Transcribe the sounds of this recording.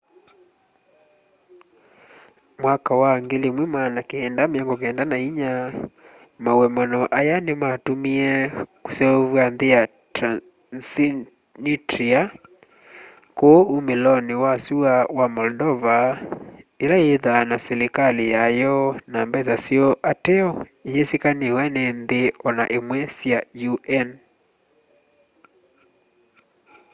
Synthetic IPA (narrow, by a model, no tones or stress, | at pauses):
mwakawaŋɡelemwemanakeːndameɔŋɡɔkeɛndanaiɲa | mauwɛmanɔʔajanemaːtomiɛkusɛovwanðea | s | nitɾia | koumelɔniwasuawamɔldɔva | ilaeðanasɛɾikalijajɔnambɛsasiɔʔatɛɔijesikanihwɛnɛnðeɔnaʔemwɛsjajuʔɛn